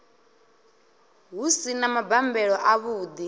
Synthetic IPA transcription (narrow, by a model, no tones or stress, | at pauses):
ɦusinamabambɛɺɔʔaβuːd̪i